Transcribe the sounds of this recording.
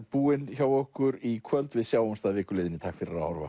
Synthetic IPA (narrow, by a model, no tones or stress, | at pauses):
puːɪnçawɔhkʏɾikʰvœlt̪vɪðsjaːwʏnst̪aðvɪːhkʏlɪːðɪnit̪ʰaːkfɪɾɪɾahɔɾva̰